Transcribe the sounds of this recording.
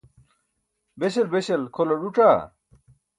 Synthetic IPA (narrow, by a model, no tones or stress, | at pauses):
beɕelbeɕelkʰoloɾuʈ͡ʂaː